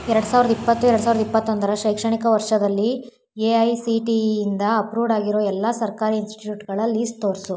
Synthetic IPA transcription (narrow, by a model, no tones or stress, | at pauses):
ɛɾɐɽusaːʋɾɐd̪ɐipːɐt̪ːuɛɾɐɽus̬aːʋɾd̪ɐipːɐt̪ːond̪ɐɾɐʃɐjkʂɐɳikɐʋɐɾʂɐd̪ɐlːi | eɐjsiʈiːnd̪ɐːpɾuːʋɖaːɡiɾoːɛlːasɐɾkaːɾiinsʈʈiʈjuːʈɡɐɭɐlːist̪oːɾsu